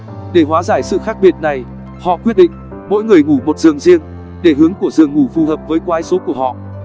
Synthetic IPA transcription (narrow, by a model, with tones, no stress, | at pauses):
ɗe˧˩ɦwaː˨˦zaː˧˩jsɨ̰˧˨xaː˦˥k̚ɓi˨˩ət̚na˨˩j | hɔ̰˧˨kwi˦˥ət̚ɗḭ̈˧˨ŋ̟ | mo̰˧˥jŋɨ˨˩əjŋu˧˩mo˨˩t̚z̥ɨ̰˨˩əŋzi˧əŋ | ɗe˧˩ɦɨ˨˦əŋku˧˩əzɨ˨˩əŋːu˧˩fu˨˩həː˨˩p̚vəː˨˦jkwaː˧jso˨˦ku˧˩əhɔ̰˧˨ʔ